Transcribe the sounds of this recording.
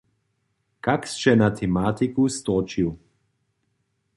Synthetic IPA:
kakst͡ʃɛnat̪ʰɛmaːt̪ikust̪ɔt͡ʃiw

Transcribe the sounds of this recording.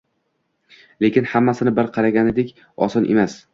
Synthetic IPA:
le̞kʲɪnhamːasɪnɪbɪɾqʰɑɾaɡʲaned̪ekʲ | ɒ̰sɒnʔe̞mas

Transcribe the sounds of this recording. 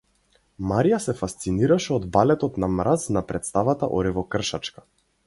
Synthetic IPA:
maɾijasɛfast̪siniɾaʃɛɔd̪balɛt̪ɔt̪namɾasnapɾɛt̪st̪avat̪a̰ʔɔ̰ɾivɔkr̩ʃat͡ʃkḁ

